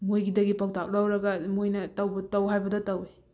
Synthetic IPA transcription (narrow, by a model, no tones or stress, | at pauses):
mojɡidɐɡipak̚tak̚lawɾɐɡɐmojnɐtɐwbɐtɐwɦajbɐdɐtɐwe